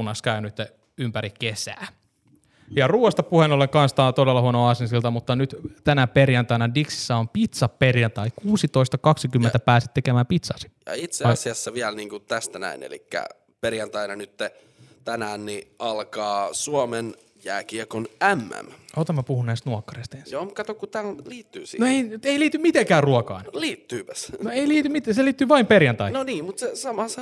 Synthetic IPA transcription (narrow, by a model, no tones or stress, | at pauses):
nɑskæynyt̪ːe | ympæɾikesæ̰ː | jɑruːest̪ɑpuhenolːeŋkɑnst̪ɑːt̪odelːɑhuonoɑsinsilt̪ɑmut̪ːɑnyt̪t̪ænæperjɑnt̪ɑinɑdiksi̥sːæompit̪sɑpperjɑnt̪ɑikuːsit̪oist̪ɑkɑksikymːent̪æpæːsit̪ːekemæːmpit̪sɑsi̥jɑ̰it̪sesiɑsːɑʋiælniːŋkut̪æst̪ænæ̰inḛlḭkːæ̰ | perjɑnt̪ɑinɑnyt̪ːe | t̪ænæːnniʔɑlkɑːsuomen | jæːkiekonæmːæ̰mot̪ɑmːɑpuhunnæist̪nuokːɑrest̪ensjoːmukɑt̪okkut̪ælliːt̪ːyːsinoeiyt̪eiliːt̪ymmit̪eŋkæːrruokɑ̰inliːt̪ːyːpæsnoeiliːt̪ymit̪æseliːt̪ːyːʋɑimperjɑnt̪ɑinoniːmmut̪sesɑmɑsɑ